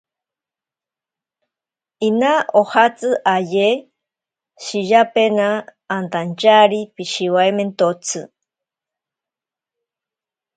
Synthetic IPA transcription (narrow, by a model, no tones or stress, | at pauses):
inaʔohat͡sɨʔaje | ʃijapenaːnt̪ant͡ʃaɾipiʃiwaement̪ot͡sʰɨ